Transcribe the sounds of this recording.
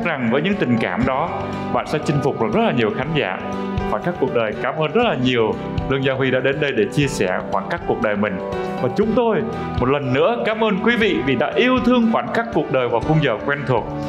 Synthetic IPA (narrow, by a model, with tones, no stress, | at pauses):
k̚za˨˩ŋvəː˨˦jɲɨ̰˧˥ŋt̪ï˨˩ŋ̟kaː˧˩mɗɔ˨˦ | ɓa̰ː˧˨nsɛ̰˧˥t͡ɕï˧ŋ̟fʊ˨˩k͡p̚vaː˨˩zə˦˥laː˨˩ɲi˨˩əwxaː˨˦ŋ̟za̰ː˧˩˨ | xwaː˧˩kaː˦˥kːu˨˩ək̚ɗəː˨˩jkaː˨˦mʔəː˧nzə˦˥t̚laː˨˩ɲi˨˩əw | lɨ̰˧əŋzaː˧wɦwi˧ɗa̰ː˧˥ɗe˨˦nɗə˧jɗe˧˩t͡ɕi˧əsɛ˧˩xwaː˧˩nkaː˦˥kːu˨˩ək̚ɗəː˨˩jmï˨˩ŋ̟ | vaː˨˩t͡ɕʊ˨˦ŋ͡mt̪o˧j | mo˨˩t̚lə˨˩nːɨ̰˧˥əkaː˨˦mʔəː˧nkwi˨˦vḭ˧˨vi˨˩ɗa̰ː˧˥ʔi˧əwt̪ʰɨ˧əŋxwaː˧˩nkaː˦˥kːu˨˩ək̚ɗəː˨˩jvaː˨˩xu˧ŋ͡mzəː˧˩kwɛ˧nt̪ʰu˨˩ək̚